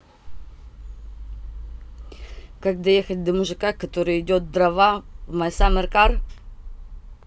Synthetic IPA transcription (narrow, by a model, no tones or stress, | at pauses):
kak̚d̪ɐjexɐt̚ʲd̪ɐmuʐɨkakɐt̪oɾɨɪdʲot̪̚d̪rɐvavmajsamɪrkar